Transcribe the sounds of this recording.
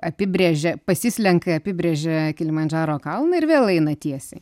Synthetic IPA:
ɐpʲɪbʲɾʲeːʒʲɛpɐsʲɪsʲlʲɛŋkɐɐpʲɪbʲɾʲeːʒʲɛkʲɪlʲɪmɐnʲd͡ʒʲɑːɾoːkɐlˠnɐɪrʋʲeːlˠɛɪnɐt̪ʲiɛsʲɛ

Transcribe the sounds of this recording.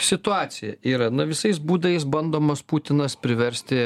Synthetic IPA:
sʲɪt̪ʊɑːsʲɪjɛiːɾɐnʊʋʲɪsɐɪsbuːd̪ɐjɪsbɐnd̪oːmɐsput̪ʲɪnɐspʲɾʲɪʋʲɛɾʲsʲt̪ʲɪ

